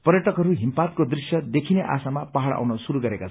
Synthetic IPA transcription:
pʌrjʌʈʌkɦʌɾuɦimpat̪̚kod̪risjʌd̪ekʰineʔa̰samapaɦaɽa̰wnʌsuɾuɡʌɾekat͡sʰ

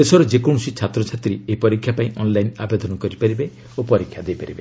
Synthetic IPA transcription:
esɔɾɔd͡ʒekoɽ̃usit͡ʃʰat̪ɾɔt͡ʃʰat̪ɾieipɔɾikʰːjapãĩʔɔnlajna̰bed̪ɔnɔkɔɾipaɾibe | opɔɾikʰːjad̪ejpaɾibe

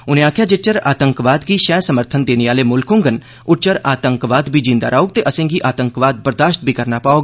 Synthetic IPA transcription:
ʊnẽːaːkʰjaːd͡ʒet͡ʃəɾa̰ːt̪əŋkʋaːd̪ɡiːʃɛːsəməɾt̪ʰənd̪eːneːaːleːmʊlkõŋɡən | ʊʈt͡ʃəɾaːt̪əŋkʋaːd̪bʱiːd͡ʒĩːnd̪aːɾaːoːɡ̚t̪eːʔəsẽːɡiːʔaːt̪əŋkʋaːd̪̚bəɾd̪aːʃt̪̚bʱiːkəɾnaːpaːoːɡ

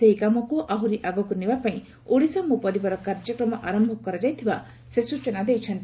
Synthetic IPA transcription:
eɦikamɔkuʔaɦuɾiʔaɡɔkunebapaĩ | uɽisamũpɔɾibɔɾɔkaɾd͡ʒɔkɾɔmɔʔaɾɔmbʱɔkɔɾad͡ʒajt̪ʰiba | sesut͡ʃenad̪ejt͡ʃʰɔnt̪i

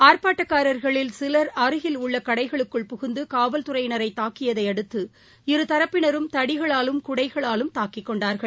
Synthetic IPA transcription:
aːɾpaːʈːɐkːaːɾɐɾɣɐɭɪlsɪlɐɾɐɾɯɣɪlʊɭːɐkɐɽɐɪɣɐɭɯkːɯɭpʊɣʊnd̪ɯkaːʋɐlt̪ʊɾɐɪjnɐɾɐɪt̪aːkɪjɐðɐɪɐɽɯt̪ːɯ | ɪɾɯt̪ɐɾɐpːɪnɐɾɯmt̪ɐɽɪɣɐɭaːlɯmkʊɽɐɪɣɐɭaːlɯmt̪aːkɪkːɔɳɖaːɾɣɐɭ

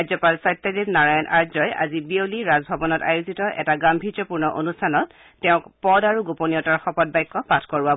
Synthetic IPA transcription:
zɔpalsajtːadipnaɹajɔnʔa̰ɹzɔjʔa̰zibioliɹazbʱɔbɔnɔta̰juzitɔʔɛ̰taɡambʱizɔpuɹnɔʔo̰nustʰanɔtː | ɛʊ̃kpɔdaɹuɡoponijɔtaɹxɔpɔt̚bajkːɔpatʰkɔɹba

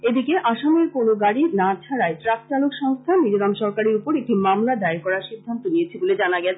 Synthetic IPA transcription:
ed̪ikeʔaʃameɾkonoɡaɽinat͡ɕʰaɾaeʈɾak̚t͡ɕalokʃɔŋst̪ʰanid͡ʑod̪amʃɔɾkaɾeɾupoɾek̚ʈimamlad̪aeɾkɔɾaɾʃid̪ʱːant̪oniet͡ɕʰeboled͡ʑanaɡɛt͡ɕʰe

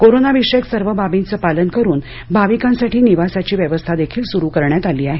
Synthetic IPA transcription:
koɾonaʋiʂeksəɾʋəbabint͡səpalənkəɾuːn | bʱaʋikãnsaʈiːniʋasat͡ɕiːʋjəʋəst̪ʰad̪ekʰiːlsuɾukəɾɳjat̪aliːaɦe

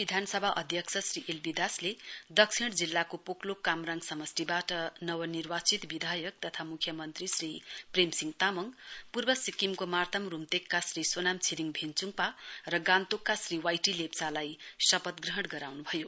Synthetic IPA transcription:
bid̪ʱansʌbʱaʔʌd̪ʱjʌksʰʌsriʔelbid̪asled̪ʌksʰiɽd͡zilːakopoklokamraŋɡsʌmʌstibaʈʌnʌwʌnirwat͡sit̪bid̪ʱajʌk̚t̪ʌt̪ʰamukʰjʌmʌnt̪risripremsiŋɡt̪amʌŋpurbʌsikimkomart̪ʰʌmrumt̪ekːasrisonamt͡sʰiɾiŋbʱent͡suŋparʌɡãnt̪okːasriwajʈilept͡salajsʌpʌt̪ɡrʌɦʌɽɡʌɾawnubʱʌjo

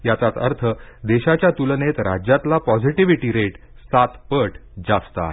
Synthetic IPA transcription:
jat͡sat̪ə̰ɾt̪ʰəd̪eɕat͡ɕjat̪ulnet̪ɾad͡ʑjat̪lapɔd͡ziʈiʋiʈiɾeʈ | sat̪pəʈd͡zast̪a̰

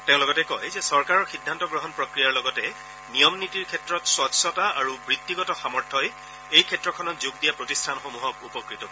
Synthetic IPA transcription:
teʊ̃lɔɡɔtɛkɔjzɛsɔɹkaɹɔɹxidʱːantɔɡɹɔɦɔnpɹɔkɹijaɹlɔɡɔtɛ | nijɔmnitiɹkʰɛtɹɔtswɔtsɔtaaɹubɹitːiɡɔtɔxamɔɹtʰɔj | ejkʰɛtɹɔkʰɔnɔt̚zuɡdijapɹotistʰanxomuɦɔk̚upɔkɹitɔ

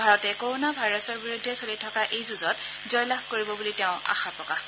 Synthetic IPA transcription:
bʱaɹɔtɛkoɹonabʱajɹɔsɔɹbiɹudʱːɛsolitʰɔkaʔejzuzɔt | zɔjlaxkoɹibɔbuliteʊ̃a̰xapɹɔkah

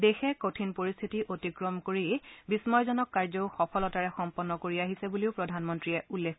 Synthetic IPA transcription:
dexɛkotʰinpoɹist̪ʰitiʔotikɹɔmkoɹibismɔjzɔnɔkːaɹzɔʊxɔpʰɔlɔtaɹɛxɔmpɔnːɔkoɹiaɦisɛbuliʊpɹɔdʱanmɔntɹiɛulːekʰ

